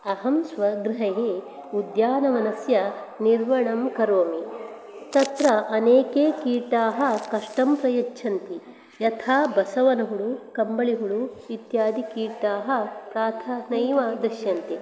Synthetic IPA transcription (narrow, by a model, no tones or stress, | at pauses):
ɐɦɐmsʋɐɡɾiɦɐɦe | ud̪jaːnɐmɐnɐsjɐniɾʋɐɳɐmkɐɾoːmi | t̪ɐt̪ɾɐʔɐneːkeːkiːɾʈaːɦɐ̆kɐʂʈɐmpɾɐjɐt͡ʃːt͡ʃʰɐnt̪i | jɐt̪ʰaːbɐsɐʋɐnɐɦuɭukɐmbɐɭiɦuɭuit̪jaːd̪ikiːɾʈaːɦɐ̆pɾaːt̪ʰɐnɐjʋad̪ɐʃjɐnt̪i